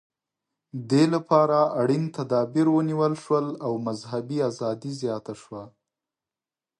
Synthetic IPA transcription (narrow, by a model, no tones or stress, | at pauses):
d̪elapɑɾaaɽint̪ad̪ɑbiɾwəniwəlʃwəlawmazhabiazɑd̪izjɑt̪aʃwa